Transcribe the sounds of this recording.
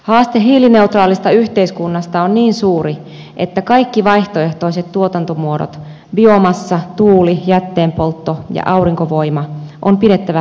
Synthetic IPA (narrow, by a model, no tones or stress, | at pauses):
hɑːst̪eɦiːline̞ut̪rɑːlist̪ɑyht̪e̞iskunːɑst̪ɑonniːnsuːɾi | ʔet̪ːækɑikːiʋɑjht̪oe̞ht̪o̞iset̪t̪ːuo̞t̪ɑnt̪omuodo̰t̪ | biomɑsːɑt̪uːlijæt̪ːeːmpo̞lt̪ːojɑ̰ʔɑuɾiŋkoʋo̞imɑʔompiɾe̞t̪ːæʋæ